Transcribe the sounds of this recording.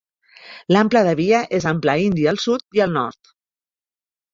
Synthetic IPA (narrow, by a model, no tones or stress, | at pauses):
lampləðəβiəʔezamplaind̪iaːlˠsut̪iəlˠnɔ̰ɾt̪